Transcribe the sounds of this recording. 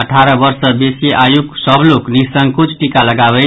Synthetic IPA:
əʈʰaɾʌbʌɾsʌbesiʔajuksʌbloknisʌŋɡkut͡sʰʈikaləɡabʌɪ

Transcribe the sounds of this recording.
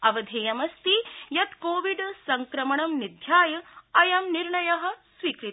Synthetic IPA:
ɐʋɐd̪ʱeːjɐmɐst̪ijɐt̪koːʋiɖsɐŋkɾɐmɐɳɐmnid̪ʱjaːjɐɐjɐmniɾɳɐjɐɦɐ̆sʋiːkɾit̪

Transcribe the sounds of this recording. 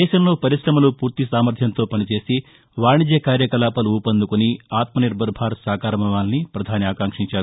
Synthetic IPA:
ɛːʃɐmlo̞ːpɐɾiʃɾɐmɐlupuːɾt̪isaːmɐɾd̪ʰʱjɐnt̪o̞ːpɐnit͡ʃe̞ːsi | ʋaːɳid͡ʒɐkaːɾjɐkɐlaːpɐluuːpɐnd̪ukuniaːt̪mɐniɾbɐɾbʱaːɾsaːkaːɾɐmɐʋaːnnipɾɐd̪ʱaːniaːkaːŋkʂiɲt͡ʃaːɾu

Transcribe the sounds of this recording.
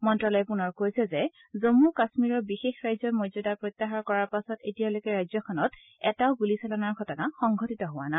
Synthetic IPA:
mɔntɹɔlɔjɛpunɔɹkojsɛzɛ | zomukasmiɹɔɹbixexɹajzɔɹmozɔdapɹojt̪ːaxaɹkɔɹaɹpasɔtetijalojkɛɹajzɔkʰɔnɔt | ɛtaʊɡulisɛlɔnaɹɡʱɔtɔnaxɔŋɡʱɔtitɔɦʊwana

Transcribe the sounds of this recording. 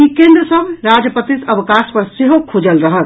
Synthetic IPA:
ikẽnd̪ɾəsəbʱɾad͡ʒpət̪isəbkaspəɾseɦokʰud͡ʒəlɾəɦət̪

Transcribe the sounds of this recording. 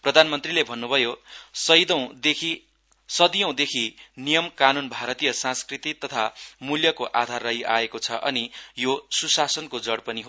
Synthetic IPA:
prʌd̪ʱanmʌnt̪rilebʱʌnːubʱʌjosʌjd̪ʌw̃d̪ekʰi | sʌd̪ijʌ̃w̃d̪ekʰinijʌmkanunbʱaɾʌt̪ijʌsãskrit̪it̪ʌt̪ʰamuljʌkoʔad̪ʱarːʌɦiʔa̰ekot͡sʰʌʔʌnijosusasʌnkod͡zʌɽpʌniɦo

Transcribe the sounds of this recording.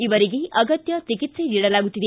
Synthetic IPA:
ibʌɾiɡijʔʌɡʌt̪jʌt͡sikit̪sʌjɾiɽʌlabuʈiɾe

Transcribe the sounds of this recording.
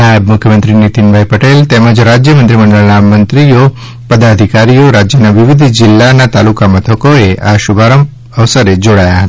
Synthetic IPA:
najəbmʊkʰjəmənt̪ɾinit̪inbʱaipəʈelt̪ɛməd͡ʒɾad͡ʒjəmə̃nt̪ɾiməɳɖəɭnamənt̪ɾijo | pəd̪ad̪ʱikaɾijoɾad͡ʒjənaʋɪʋɪd̪ʱd͡ʒɪlːanat̪alukamət̪ʰəkoeʔaʃʊbʱaɾəm | əʋsəɾed͡ʒoɽajaɦət̪ḁ

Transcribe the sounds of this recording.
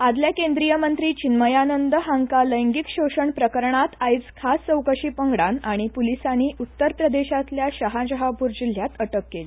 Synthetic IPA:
ad̪ljakend̪ɾijəmənt̪ɾiːt͡ɕinməjanənd̪əɦaŋkaləjŋɡikɕoɕəɳpɾəkəɾɳat̪ajt͡skʰast͡səwkəɕiːpəŋɡɽanaɽ̃ipulisaniːʔut̪ːəɾpɾəd̪eɕat̪ljaɕəɦãd͡ʑəɦapuɾd͡ʑil̤jat̪əʈəkːeli

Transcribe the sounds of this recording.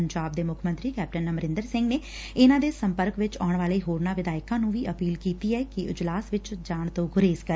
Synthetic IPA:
ɲd͡ʒaːb̚d̪eːmʊkʰmə̃nt̪ɾiːkɛːp̚ʈənːəməɾɪ̃nd̪əɾsɪ̃ŋɡneː | ɪnãːd̪eːsəmpəɾkʋɪt͡ʃaːɳʋaːleːɦoːɾnãːʋɪd̪aːɪkãːnũːʋiːʔəpiːlkiːt̪iːɛːkɪɪd͡ʒlaːsʋɪt͡ʃd͡ʒaːɳt̪õːɡʊɾeːskəɾ

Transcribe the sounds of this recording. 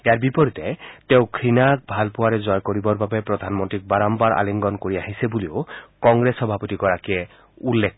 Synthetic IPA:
ejaɹbipɔɾit̪et̪eʊ̃kʰɾinak̚bʱalpʊaɾezɔjkoɾibɔɾbabepɾɔd̪ʱanmɔnt̪ɾik̚baɾɔmbaɾʔa̰liŋɡɔnkoɹiaɦisebuliokɔŋɡɾesɔbʱapɔt̪iɡɔɹakie | ulːekʰ

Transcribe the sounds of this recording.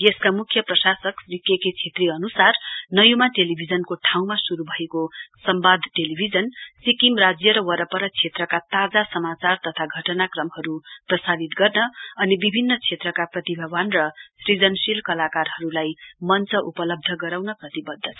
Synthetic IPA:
jeskamukʰjʌprʌsasʌkrikjeket͡sʰet̪riʌnusarnʌjumaʈelibʱid͡zʌnkoʈʰaw̃masuɾubʱʌekosʌmbad̪ʱʈelibʱid͡zʌnsikimrad͡zjʌɾʌwʌɾʌpʌɾʌt͡sʰet̪rʌkat̪ad͡zasʌmat͡sart̪ʌt̪ʰaɡʱʌʈʌnakrʌmhʌɾuprʌsadit̪ɡʌrnʌʌnibibʱinːʌt͡sʰet̪rʌkaprʌt̪ibʱʌbʌnrʌsrid͡zʌnsilkʌlakarɦʌɾulajmʌnt͡sʌʔupʌlʌb̚d̪ʱʌɡʌɾawnʌprʌt̪ibʌd̪ʱːʌt͡sʰ

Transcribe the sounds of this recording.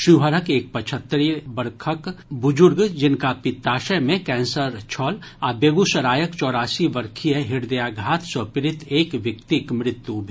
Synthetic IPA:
ʃiɦəɾəkeːk̚pɐt͡ʃʰət̪ːɾibəɾkʰəkbʊd͡ʒʊɾɡd͡ʒɪnkapɪt̪ːaːʃəjmẽkɛ̃ːnsəɾt͡ʃʰɔːlaːbeːɡusɐɾaːjəkt͡ʃɔːɾaːsiʋəɾkʰijəɦɪɾd̪ɐjaːɡʱaːt̪ʰsəpɪɾɪt̪ʰeːkʋjɐkt̪ikmɾɪt̪jubʱi

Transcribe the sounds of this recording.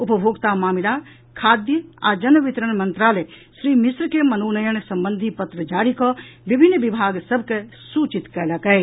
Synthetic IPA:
ʊpəbʱoːɡt̪amaːmilaː | kʰaːd̪jəa̰ːd͡ʒɐnəʋɪt̪ɾəñmɐ̃nt̪ɾaːleʃɾiːmɪsɾəkemɐnoːnɐjəñsɐ̃mbə̃nd̪ʱipɐt̪ɾəd͡ʒaːɾikɔʋibʱɪnːʋibʱaːɡsɐbʱkesuːt͡ʃit̪kɐlakɐe

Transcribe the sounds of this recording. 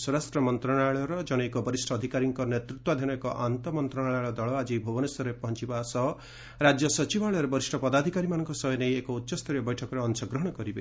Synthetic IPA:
sɔɾastɾɔmɔnt̪ɾɔɽaɭɔɾɔd͡ʒɔnɔekɔbɔɾisʈʰɔːd̪ʱikaɾiŋkɔnet̪ɾut̪wad̪ʱiñɔekɔʔant̪ɔmɔnt̪ɾɔnaɭaɭɔd̪ɔɭɔad͡ʒibʱɔbɔnesɔɾepɔɦɔnt͡ʃibasɔɦɔ | ɾad͡ʒjɔsɔt͡ʃibaɭɔɾebɔɾisʈʰɔpɔd̪ad̪ʱikaɾimanɔŋkɔsɔɦɔnejekɔutːʃɔst̪ʰɔɾjɔbɔjʈʰɔkɔɾeɔnsɔɡɾɔɦɔɽ̃ɔkɔɾibe

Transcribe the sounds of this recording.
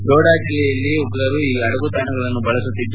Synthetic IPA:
joːɽaːd͡ʒilɛjɐlːiɔɡɐɾɐɾuiːɐɽɐɡut̪ɐnɐɡɐɭɐnːubɐɭɐsut̪ːid̪ːu

